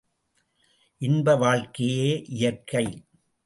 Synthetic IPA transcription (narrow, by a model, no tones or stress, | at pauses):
ʔɪnbɐʋaːɭkɪjeːʔɪjɐɾkːɐɪ